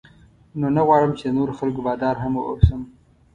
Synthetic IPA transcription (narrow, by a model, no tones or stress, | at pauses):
nonaɣwɑɻəmt͡ʃed̪ənoɾoxalkobɑd̪ɑɾɦamoʔo̰səm